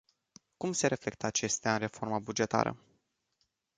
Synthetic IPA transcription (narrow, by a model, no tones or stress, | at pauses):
kumse̞ɾe̞fle̞k̚t̪əat͡ʃe̞st̪eaɨnre̞fo̞rmabud͡ʒe̞t̪a̰ɾə̰